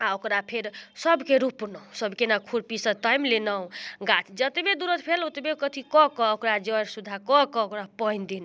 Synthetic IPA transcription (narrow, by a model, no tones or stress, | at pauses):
aokɾapʰeɾsəbkeɾupnɔũsʌbkenakʰuɽpisət̪ajmlenɔũɡat̪ʰd͡ʒət̪ebed̪uɾət̪pʰelot̪ebekət̪ʰikɔkɔokɾad͡ʒəɾsud̪ʱakɔkɔokɾapəjnd̪in